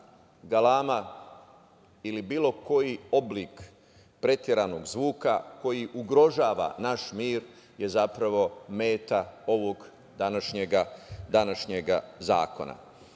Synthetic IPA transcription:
ɡalaːma | ilibiːlo̞ko̞jio̞bliːk | pɾe̞t̪jeɾaːno̞ɡzʋuːkako̞jiʔuɡɾo̞ʒaːʋa̰naʃmiːɾ | je̞zapɾaʋo̞meːt̪ao̞ʋoɡ | d̪anaʃɲeɡad̪anaʃɲeɡaza̰ːko̞̰na̰

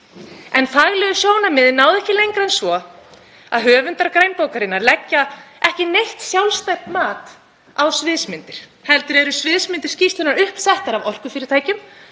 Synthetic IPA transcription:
ɛnfaɣlɛɣʏsjoːwnamɪðnaːwðɛhcɪlejŋkɾaɛnsvɔ | aðɦœːvʏnt̪aɾkɾaːjnpoːwkaɾɪnːaɾlɛcːaɛhcɪnejht̪sjawlst̪ajpmaːt̪ | awsvɪðsmɪnt̪ɪɾ̥hɛlt̪ʏɾɛɾʏsvɪðsmɪnt̪ɪ̥ɾ̥scist̪ʏnaɾʏhpsɛht̪aɾavɔr̥kʏfɪɾɪɾt̪ʰaːjcʏm

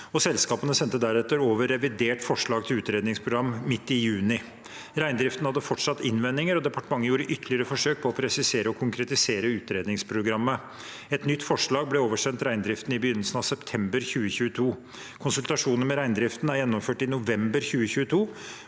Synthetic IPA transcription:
ɔsɛlskɑːpənəsɛnt̪ːəd̪æɾɛt̪ːəɾoːʋəɾɛʋɪd̪eːʈfɔʂɭɑːɡt̪ʰɪlʉːt̪ɾeːd̪nɪŋspʰɾʊɡɾɑmmɪt̪ːɪjʉːnɪ | ɾæɪnd̪ɾɪft̪n̩hɑd̪ːəfɔʈʂɑt̪ːɪnʋɛnːɪŋəɾɔd̪ɛpɑʈəmɑŋːəjuːɾəʔʏt̪ʰːəlɪəɾəfɔʂøːk̚pʰɔɔpʰɾɛsɪseːɾəɔkʰʊŋkʰɾɛt̪ɪseːɾəʉːt̪ɾeːd̪nɪŋspʰɾʊɡɾɑmːə | ɛt̪nʏt̪ːfɔʂɭɑːɡ̚blɛoːʋəʂɛnt̪ɾæɪnd̪ɾɪft̪nɪbəjʏnːəlsənɑʋsɛpt̪ʰɛmbəɾçʉːəçʉːət̪ʰuː | kʰʊnsʉlt̪ɑʂuːnənmɛɾæɪnd̪ɾɪft̪næɾjɛnːɔmføːʈɪnʊʋɛmbəɾçʉːəçʉːət̪ʰuː

